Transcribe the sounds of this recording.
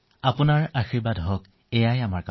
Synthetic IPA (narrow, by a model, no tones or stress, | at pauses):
apʊnaɹaxiɹbadɦɔk | ɛjajamaɹk